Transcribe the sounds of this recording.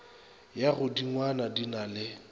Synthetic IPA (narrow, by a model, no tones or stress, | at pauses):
jaɣʊdiŋwanadinalɪ